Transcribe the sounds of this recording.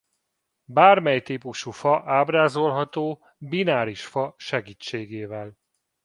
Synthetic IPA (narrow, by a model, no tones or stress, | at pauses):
baːrmɛjt̪iːpuʃufɒʔaːbraːzo̞lɦɒt̪oː | binaːɾiʃfɒʃɛɡiːt͡ʃːeːɡeːvɛl